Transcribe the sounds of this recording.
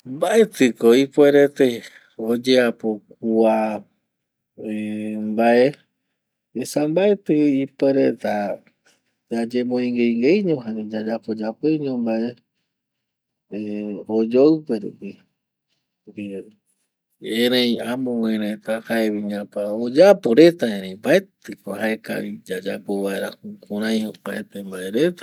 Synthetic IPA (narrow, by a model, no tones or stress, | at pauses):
mbaet̪ɨkoipweɾet̪e | od͡ʒeapok̚ua | mbaʔe | esambaet̪ɨipeɾet̪a | d͡ʒad͡ʒemõĩŋɡejŋɡejɲõɦad͡ʒad͡ʒapod͡ʒapejɲõmbae | eod͡ʒowpe̞ɾṵpi | upi | ẽɾẽjamõwẽɾẽt̪ahaeβiɲãpaod͡ʒapoɾe̞t̪aẽɾẽj̃baet̪ɨkoɦaeka̰βid͡ʒad͡ʒapoβaeɾahũkũɾãj̃opaet̪embaeɾet̪a